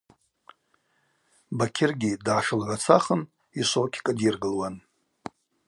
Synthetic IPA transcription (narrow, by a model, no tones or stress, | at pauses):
bakʲʰɪrɡʲidʕaʂɨlʕʷat͡sʰaχən | iʃʷowkʲʰkʼadjirɡɨlwan